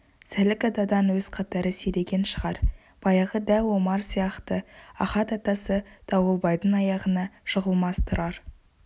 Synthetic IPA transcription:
sælɪkɑd̪ɑd̪ɑnwɵzqʰɑt̪ɑɾəseɾe̞ɡʲe̞nʃəʁɑɾ | b̥ɑjɑʁəd̪ælwo̞mɑɾsijɑqt̪əɑχɑt̪ɑt̪ɑsəd̪̥ɑwəlˠbɑjd̪ənɑjɑʁənɑʃəʁəlˠmɑst̪ʰʊɾɑɾ

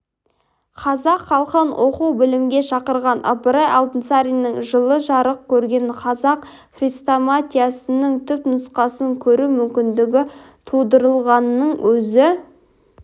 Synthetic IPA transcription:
qʰɑzɑqχɑlˠqənwʔo̞quwbɪlɪmɡʲe̞ʃɑqəɾʁɑnʔɑ̰pəɾɑjɑlˠt̪ənsaɾijnəɴʒəlˠəʒɑɾəq̚kʲʰɵɾɡʲe̞nqʰɑzɑq | χrijst̪omat̪ʲijasənəɴt̪ʰʏpnʊsqɑsəŋkʲʰɵɾumʏmkʲɪnd̪ɪɡʲɪ | t̪ʰud̪əɾəlˠʁɑnːəɴwɵzɪ

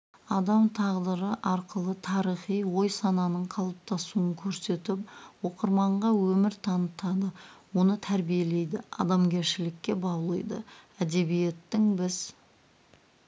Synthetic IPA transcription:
ɑd̪ɑmt̪ʰɑʁd̪əɾəʔɑɾqəlˠət̪ʰɑɾijχijwo̞jsɑnɑnəɴqʰɑlˠəp̚t̪ʰɑsuəŋkʲʰɵɾse̞t̪ɪp̚wo̞qəɾmɑɴʁɑwɵmɪɾt̪ʰɑnət̪ɑd̪əwo̞nət̪ʰæɾbije̞le̞jd̪ɪɑ̰d̪ɑmɡʲe̞ɾʃɪlɪkʲːe̞bɑwlˠəjd̪ə̰æd̪e̞bije̞t̪ːɪŋbɪz

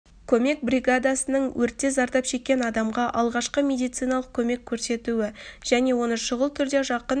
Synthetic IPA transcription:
kʲʰɵme̞k̚brʲiɡad̪asənəɴwʔɵɾt̪ːe̞zɑɾt̪ɑpʃe̞kʲːe̞nɑd̪ɑmʁɑʔɑlˠʁɑʃqəmʲe̞d̪ijt̪sɨjnɑlˠəq̚kʲʰɵme̞kʲʰːɵɾse̞t̪uɪʒ̥æne̞wo̞nəʃəʁəlˠt̪ʰʏɾd̪e̞ʒɑqən

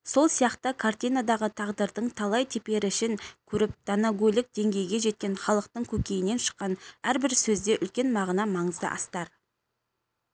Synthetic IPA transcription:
so̞lˠsijɑqt̪əkʰart̪ijnad̪ɑʁət̪ʰɑʁd̪əɾd̪əɴt̪ʰɑlˠɑjt̪ʰepe̞ɾɪɪʃɪŋkʲʰɵɾɪp̚d̪̥anaɡʲojlʲɪk̚d̪̥e̞ŋɡʲe̞jɡʲe̞ʒe̞t̪̚kʲe̞nχɑlˠəq̚t̪əɴkʲʰɵkʲe̞jɪne̞nʃə̥qːɑnæɾbɪɾsɵzd̪e̞ʔʏlkʲe̞nmɑʁnɑmɑɴəzd̪ə̰ʔɑst̪ɑɾ

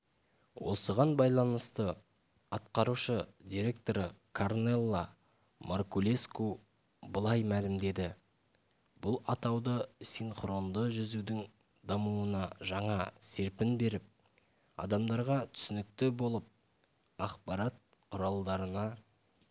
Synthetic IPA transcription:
wʔo̞səʁɑnbɑjlˠɑnəst̪ə | ɑt̪̚qɑɾuʃəd̪ʲiɾʲe̞k̚t̪o̞ɾəkʰorne̞lˠːa | morkulʲe̞sku | bəlˠɑjmælɪmd̪e̞d̪ɪ | bʊlˠɑt̪ɑwd̪əsinχro̞nd̪əʒʏzud̪ɪŋ | d̪ɑmuənɑʒɑɴɑse̞ɾpɪnbe̞ɾɪp̚ | ɑ̰d̪ɑmd̪ɑɾʁɑt̪ʰʏ̥sɪnɪk̚t̪ɪbo̞lˠəp̚ | ɑqpɑɾɑt̪̚ | qʰʊɾɑlˠd̪ɑɾənɑ

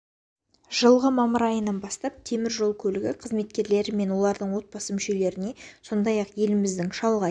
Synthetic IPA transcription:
ʒ̥əlˠʁəmɑməɾɑjənɑnbɑst̪ɑp̚t̪ʰe̞mɪɾʒo̞lˠkʲʰɵlɪɡʲɪqʰəzme̞t̪̚kʲe̞ɾle̞ɾɪme̞nwo̞lˠɑɾd̪əɴwo̞t̪̚bɑsəmʏʃe̞le̞ɾɪne̞so̞nd̪ɑjɑqje̞lɪmɪzd̪ɪŋʃɑlˠʁɑ

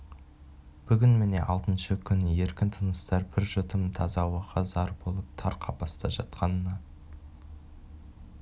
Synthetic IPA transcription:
b̥ʏɡʲɪnme̞ne̞̰ʔɑlˠt̪ənʃəkʲʰʏnɪje̞ɾkʲɪnt̪ʰənəst̪ɑɾbɪɾʒʏt̪ʰɪmt̪ʰɑzɑwəʁɑzɑɾbo̞lˠəp̚t̪ʰɑɾqʰɑbɑst̪ɑʒɑt̪̚qɑnənɑ

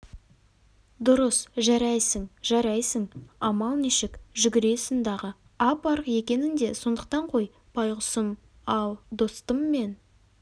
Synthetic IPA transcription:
d̪ʊɾəsʒɑɾɑjsəŋʒɑɾɑjsəŋɑmɑlˠniʃɪkʒʏɡʲɪɾe̞sənd̪ɑʁə | ɑpɑɾəqje̞kʲe̞nɪnd̪e̞so̞nd̪əq̚t̪ɑɴqʰo̞j | pʰɑjʁʊsəm | ɑlˠd̪o̞st̪əmːe̞n

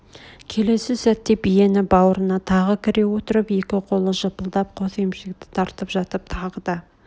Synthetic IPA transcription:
kʲʰe̞le̞sɪsæt̪ːe̞bije̞nɪbɑwəɾənɑt̪ʰɑʁəkʲʰɪɾe̞wot̪əɾəpe̞kʲɪqʰo̞lˠəʒəpəlˠd̪ɑp̚qʰo̞θemʃɪk̚t̪ɪ̥t̪ʰɑɾt̪əpʒɑt̪əp̚t̪ʰɑʁəd̪ə

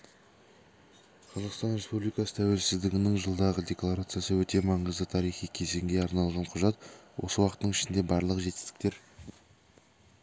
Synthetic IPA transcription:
qʰɑzɑqst̪ɑnɾe̞spublijkɑsə̥t̪ʰæwe̞lsɪzd̪ɪɡʲɪnɪŋʒəlˠd̪ɑʁəd̪e̞klˠaɾat̪sɨjasəwɵt̪e̞mɑɴəzd̪ət̪ʰɑɾijχijkʲʰe̞ze̞ŋɡʲe̞ɑɾnɑlˠʁɑɴqʰʊʒɑt̪wo̞̰səwɑqət̪ːəɴɪʃɪnd̪e̞bɑɾlˠəqʒe̞t̪ɪ̥st̪ɪ̥k̚t̪e̞ɾ

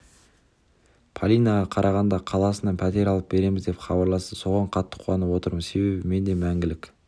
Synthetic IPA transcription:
pʰalʲijnaʁɑqʰɑɾʔɑʁɑnd̪ɑqʰɑlˠɑsənɑnpʰæt̪e̞ɾɑlˠəp̚be̞ɾe̞mɪzd̪e̞pχɑbɑɾlˠɑst̪əso̞ʁɑɴqʰɑt̪ːə̥qʰuɑnəpwo̞t̪əɾməse̞be̞bɪme̞nd̪e̞mæŋɡʲɪlɪkʲ

